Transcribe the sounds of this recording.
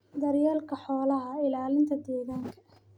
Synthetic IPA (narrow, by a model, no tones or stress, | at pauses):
d̪ɐrjaːlkʰɐħɔːlɐɦɐɪlaːlɪnt̪ʰɐd̪ɛːɣaːŋkʰɐ